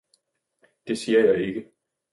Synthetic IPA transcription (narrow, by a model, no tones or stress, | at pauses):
d̥e̝siːɐjɑɪe̝ɡ̥ə